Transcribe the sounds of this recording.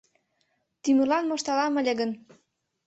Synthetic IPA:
t̪ymə̆rlɑnmoʃt̪ɑlɑmə̆lʲĕɡə̆n

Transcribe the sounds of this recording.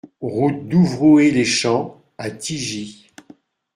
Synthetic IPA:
ʁut̪̚d̪uvʁoeleʃɑ̃ | at̪iʒi

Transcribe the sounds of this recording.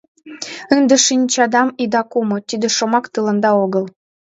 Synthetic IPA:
ənd̪ĕʃinʲt͡ɕɑd̪ɑmid̪ɑkumɤ̆t̪ʲid̪ĕʃŏmɑkt̪ɯlɤ̆nd̪ɑoɣɤ̆lˠ

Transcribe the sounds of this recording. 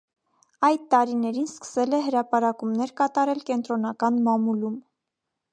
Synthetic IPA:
ɑjd̪̚t̪ɑɾinɛɾinskə̥sɛlɛɦəɾɑpɑɾɑkumnɛɾkɑt̪ɑɾɛlkɛnt̪ɾɔnɑkɑnmɑmulum

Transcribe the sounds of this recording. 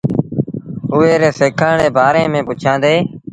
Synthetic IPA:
ʊːeːɾeːseːkʰəːɳeːbaːɾẽːmẽːpʊt͡ʃʰãːnd̪eː

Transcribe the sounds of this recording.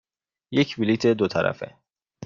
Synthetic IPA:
jecʰvilit̪ʰed̪ot̪ʰæɾæ̰fḛ

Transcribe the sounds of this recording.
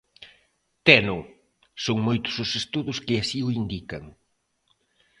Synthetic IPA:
t̪ɛnʊ | soŋmojt̪ʊ̥sʊsest̪uðʊskɪasiʊind̪ikɐŋ

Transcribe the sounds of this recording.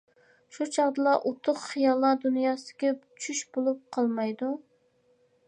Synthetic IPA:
ʃut͡ʃʰɑʁd̪ɨlˠɑʔot̪ʰːʊqχijɑlˠːɑd̪unjɑːsɪ̥kʲɛpt͡ʃʰyʃbolˠup̚qʰɑlˠmɑjd̪u

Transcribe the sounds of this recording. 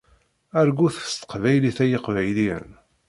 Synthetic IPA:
æɾɡuθə̥st̪ə̥qvæjliθæjəqvæjliə̰n

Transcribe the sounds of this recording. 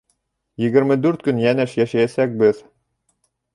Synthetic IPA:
jɘ̆ɡɘ̆ɾmɘd̪ʉɾt̪̚kɵnjænɘʃjæʃæjæsæk̚bɘð

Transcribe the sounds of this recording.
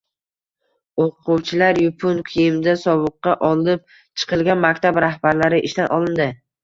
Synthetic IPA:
oqqʰʊwt͡ʃʰɪlaɾjʊpʰʊnkʲʰijɪmd̪asɒbɨqːɑʔɒlˠɪp̚ | t͡ʃʰɨ̥qʰɨlˠɡʲanmakʲt̪ʰabɾahbaɾlaɾɪʔɪ̰ʃt̪anʔɒlˠɪnd̪ɪ

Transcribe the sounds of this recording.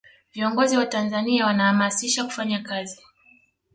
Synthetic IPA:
viɔŋɡɔziwatanzaniawanahamasiʃaku̥faɲakazi

